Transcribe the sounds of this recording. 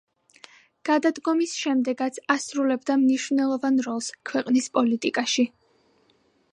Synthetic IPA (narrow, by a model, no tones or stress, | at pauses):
ɡ̥ad̪ad̪ɡɔmisʃɛmd̪ɛɡat̪sʰasɾulɛbd̪amniʃvnɛlˠɔvanɾɔlˠskʰwɛqʼnispʼɔlit̪ʼikʼaʃi